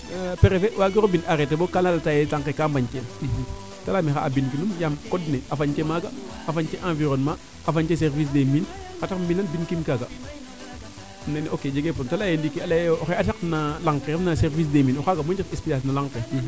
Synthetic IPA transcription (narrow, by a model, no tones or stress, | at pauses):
peɾefewaɡiɾobinaɾetebokalalatajetaŋkekaːmbaɲken | talamixa̰ːbinkinumjamkodneʔafaɲkemaɡa | afaɲkeʔãviɾonma | afaɲt͡ʃes̬eɾvis̬demin | katakmbinanbinkimkaɡa | nenokeːd͡ʒeɡepontalajendikialaoxeataknalaŋkeɾafnaseɾvis̬deminoxaɡamuɲd͡ʒifespijas̬nalaŋke